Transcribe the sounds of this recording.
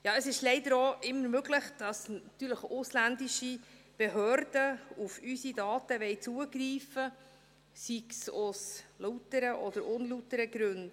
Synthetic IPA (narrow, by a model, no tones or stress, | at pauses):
jɑːəsɪʃlɛɪdəɾoːʔɪmːəɾmøɡləχd̥ɑsɑt̪yːɾləχʊslændiʃi | b̥ɛɦøːɾd̥əufysidɑːtəʋɛɪt͡suəɡɾiːfə | siksʊslutəɾəʔɔd̥̪əɾʊnlutəɾəɡɾʉnd